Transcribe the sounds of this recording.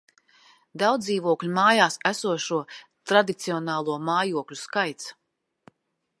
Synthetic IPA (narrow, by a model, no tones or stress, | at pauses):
d̪awd̪iːvuɔklʲumaːjaːsæsuɔʃuɔt̪ɾad̪it̪siɔnaːlˠuɔmaːjuɔklʲuskajt̪s